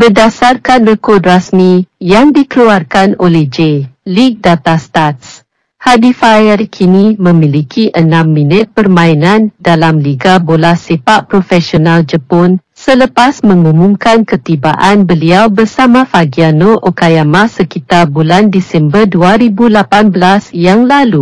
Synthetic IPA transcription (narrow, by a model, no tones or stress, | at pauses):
bərdasarkanrəkɔrdrasmijaŋdikəluarkanolɛhd͡ʒelik̚dat̪ast̪at̪s | hadifaərkʰinimə̃mĩlikʰiʔənãmːinɪt̪̚pərmãinãndalamliɡabolahsepaʔpɾofɛsionald͡ʒəpɔn | sələpasmə̃ŋumumkankət̪iba̰ʔanbəliawbərsamãfaɡianoʔokajamasəkit̪arbulandisɛmbərduaɾibulapanbəlasjaŋlalu